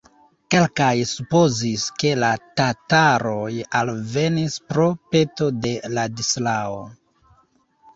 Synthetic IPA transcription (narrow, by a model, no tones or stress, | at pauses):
ke̞lkajsupo̞ziske̞latataɾo̞jalve̞nispɾo̞pe̞to̞de̞ladislao̰